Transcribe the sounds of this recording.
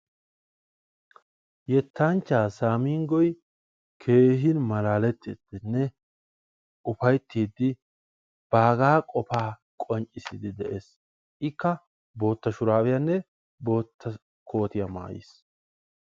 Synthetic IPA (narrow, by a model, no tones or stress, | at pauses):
jɛt̪ːɐnt͡ʃːaːsaːmiːŋɡɔj | kʰe̞ːɦɪnmɐlaːlɛt̪ːid̪̥ɪnːɛ | ʔʊfɐjt̪ːiːd̪ːɪ | b̥aːɡaːkʼɔpaː | kʼɔnt͡ʃʼːɪsɪd̪ɪd̪ɛʔeːs | ʔɪkːɐ | bo̞ːt̪ːɐʃʊɾaːbɪjɐnːɛ | bo̞ːt̪ʰːɐ | kʰo̞ːt̪ɪjɐma̰ːjḭs